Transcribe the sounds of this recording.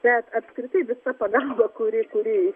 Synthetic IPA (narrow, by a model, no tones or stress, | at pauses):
b̥ʲɛt̪ɐpskɾʲɪt̪ɐɪʋʲɪsɐpɐɡɐlˠbɐkʊɾʲɪkʊɾʲɪ